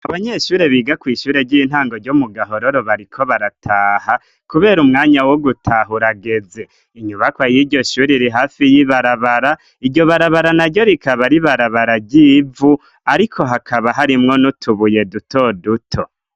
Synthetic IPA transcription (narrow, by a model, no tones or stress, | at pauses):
aβaɲe̞ʃuːɾe̞βiːɡakwiːʃuːɾe̞ɟin̥haːŋɡo̞ɾɟomuɡaɦo̞ɾoɾoβaɾikʰo̞βaɾatʰaːha | kuβe̞ːɾumŋaːɲawoɡutʰaɦuɾaɡe̞ze̞ | iɲuβakwajiɾɟo̞ʃuːɾiɾiɦaːfijiβaɾaβaɾa | iɟo̞βaɾaβaɾanaɟo̞ɾikaβaɾiβaɾaβaɾaɟiːvu | aɾikʰo̞ɦakʰaβaɦaɾimŋo̞nutʰuβuje̞duto̞dutʰo